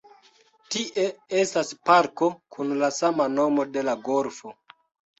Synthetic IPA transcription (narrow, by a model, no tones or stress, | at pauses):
tiʔe̞e̞staspaɾko̞kunlasamano̞mo̞de̞laɡo̞ɾfo̞